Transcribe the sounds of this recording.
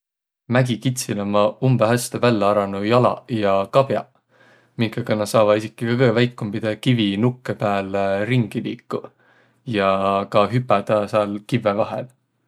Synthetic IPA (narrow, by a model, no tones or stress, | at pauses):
mæɡ̥ikit̪silomːɑumb̥eɦæst̪evælːeɑɾɑnujɑlɑ̰jɑkɑb̥jɑ̰ | miŋkekɑnːɑsɑːvɑisikːˑikɑkɤvæjkːumbid̪̥ekivinukˑːepæːleriŋɡ̥iliːkˑːu | jɑkɑɦypːˑæd̪̥ɑsɑlkivːevɑɦḛl